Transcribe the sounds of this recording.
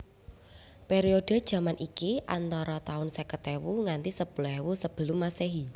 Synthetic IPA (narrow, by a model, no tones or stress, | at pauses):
peɾioɖ̥ə̤d̥ʒ̥ä̤manʔikiʔant̪ɔɾɔt̪aʊnsɛkət̪ewuŋant̪isəb̥lɛwusəb̥ə̤lumaseɦi